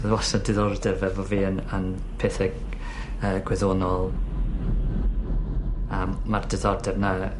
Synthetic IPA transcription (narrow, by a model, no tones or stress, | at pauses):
wɔsadɪðɔrdɛvɛvɔviːənən | pʰeːθə | əːɡwɛðoːnɔlˠ | əmːardɪðɔrdɛvna